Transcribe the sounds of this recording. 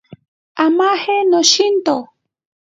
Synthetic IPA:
amahenoʃint̪o

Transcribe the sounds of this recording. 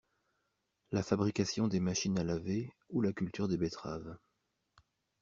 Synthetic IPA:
lafabʁikasjɔ̃d̪emaʃinalave | ulakʲylt̪yʁd̪ebet̪χa̰v

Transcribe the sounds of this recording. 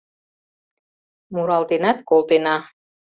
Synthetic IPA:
muɾɑlt̪enɑt̪̚kolˠt̪enɑ

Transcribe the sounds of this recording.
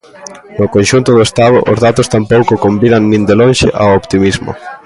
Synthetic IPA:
nʊkonʲʃunt̪ʊðʊest̪aðʊʔʊzðat̪ost̪ampowkokombinaŋnĩnd̪elõnʃeʔaopt̪imizmʊ̰

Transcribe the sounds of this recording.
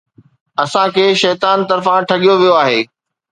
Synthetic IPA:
ɐsãkʰeːʃɛːt̪aːnt̪ɐɾfãʈʰɐɠijoʋijoaːɦeː

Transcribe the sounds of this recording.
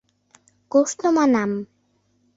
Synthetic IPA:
kosnomanam

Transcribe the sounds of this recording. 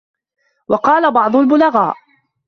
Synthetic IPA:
wɑqɑːlabɑʕd̪ˤʊlbʊlaɣaːʔ

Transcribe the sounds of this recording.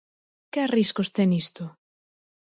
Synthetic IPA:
keariskost̪ɛŋist̪o

